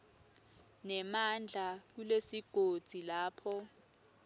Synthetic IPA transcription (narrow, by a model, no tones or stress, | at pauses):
nɛmand͡ɮʱak̬ulesiɡ̥ʱod̥z̥ʱilaːpʰɔ